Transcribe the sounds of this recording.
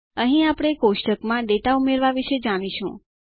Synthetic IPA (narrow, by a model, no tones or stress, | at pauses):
əɦĩapɽ̃ekoʃʈəkmãɖeʈaumeɾʋaʋiʃed͡ʒaɽiʃṵ̃